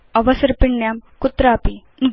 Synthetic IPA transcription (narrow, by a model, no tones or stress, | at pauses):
ɐʋɐsɐɾpiɳːjaːmkut̪ːɾaːpi | nɡ